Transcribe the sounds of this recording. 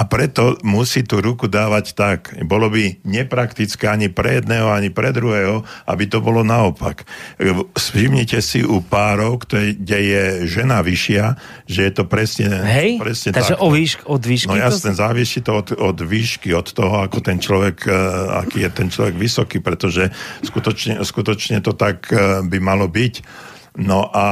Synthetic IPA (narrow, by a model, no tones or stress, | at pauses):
apɾɛt̪ɔmusiːt̪uɾukud̪aːʋact̪akbɔlɔbiɲɛpɾakt̪it͡skɛːaɲipɾɛjɛd̪nɛːɦɔaɲipɾɛd̪ɾuɦɛːɦɔa̰bit̪ɔbɔlɔnaɔpa̰k | sfimɲicɛsiʔupaːɾɔʊkt̪ɔɛɡɟɛjɛʒɛnaʋiʃɪa | ʒɛjɛt̪ɔpɾɛsɲɛɦɛjpɾɛsɲɛt̪aaʒɛɔiɔd̪ʋiːʃnɔjasnɛzaːʋisit̪ɔɔt̪ɔd̪ʋiːʃkiɔt̪ːɔɦɔakɔt̪ɛnt͡ʃlɔʋɛka̰kiːjɛt̪ɛnt͡ʃlɔʋɛɡʋisɔkiːpɾɛt̪ɔʒɛskut̪ɔt͡ʃɲɛskut̪ɔt͡ʃɲɛt̪ɔt̪aɡbimalɔbic | nɔʔa